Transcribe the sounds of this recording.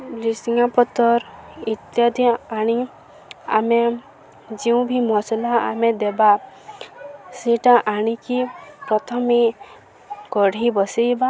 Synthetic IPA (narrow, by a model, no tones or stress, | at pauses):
lisiŋapɔt̪ɔɾit̪jad̪iaɽ̃i | a̰me | d͡ʒiũbʱimɔslaa̰mẽd̪eba | seʈaʔaɽ̃ikipɾɔt̪ʰɔme | kɔɽ̤ʱibɔsejba